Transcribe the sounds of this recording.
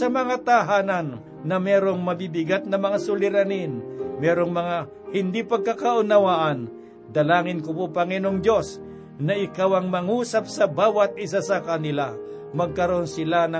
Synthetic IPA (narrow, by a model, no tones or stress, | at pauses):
ɐmɐŋat̪aɦaːnanː | ɐmɛːɾoŋmɐbibɪɡat̪̚nɐmɐŋasʊlɪɾanɪnmɛːɾoŋmɐŋa | hɪnd̪ipɐɡ̚kakɐʔʊnɐwaʔan | d̪ɐlaːŋɪnkʊpopɐŋɛnoŋd̪jos | nɐʔɪkawɐŋmɐŋuːsap̚sɐbaːwat̪̚ʔɪsasɐkanɪla | mɐɡ̚kɐɾonsɪlanɐ